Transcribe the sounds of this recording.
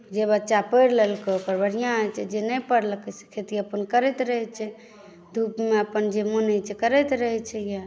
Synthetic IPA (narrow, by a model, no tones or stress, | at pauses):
d͡ʒeβət͡ʃːapəjɾlelkekəɾbəɽijãəjt͡ʃʰɛd͡ʒenəpəɽləkəse̥kʰet̪iəpənkəɾɛt̪ɾəɦɛt͡ʃʰɛ | d̪ʱupmeəpənd͡ʒemonət͡ʃʰɛkəɾɛt̪ɾəɦɛt͡ʃʰɛja